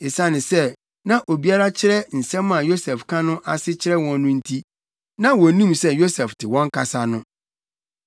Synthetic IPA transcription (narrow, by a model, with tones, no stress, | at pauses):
ɪ˨sã˦nɪ̃˨sɛ˦ | nã˦ʔo˨bi˦a˦ɾa˦t͡ɕʰɪ˦ɾɛ˦n̩˨sɛ̃˦mːã˨jo˦sɛ˨fkʰã˦nʊ̃˦ʔa˨sɪ˦t͡ɕʰɪ˦ɾɛ˦wɔ̃˨nnʊ̃˦n̩˦tʰi˦ | nã˦wɔ˨nĩ˦msɛ˦jo˦sɛ˨ftʰɪ˨wɔ̃˦ŋ˦kʰa˨sa˦nʊ̃˦